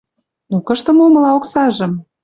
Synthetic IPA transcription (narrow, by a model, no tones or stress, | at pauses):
nokəʃt̪ə̆momə̆lɑoksɑʒə̆m